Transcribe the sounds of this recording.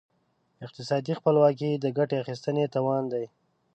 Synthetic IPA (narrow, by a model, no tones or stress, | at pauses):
ɪq̚t̪ɪsɑd̪ixpəlwɑk̬id̪əɡaʈeaxist̪ənet̪ɑwɑnd̪aj